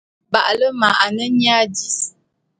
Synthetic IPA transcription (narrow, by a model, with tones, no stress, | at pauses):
ba˨ʔlə˦ma˨ʔa˨nə˦ɲa˦di˦s